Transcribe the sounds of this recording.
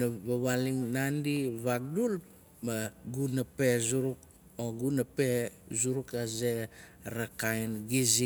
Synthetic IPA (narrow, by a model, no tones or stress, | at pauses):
naβaβaliŋnandiβaɡ̚dul | maɡunape̞zuɾuk̚ | oɡunapezuɾukazeɾakajnɡizi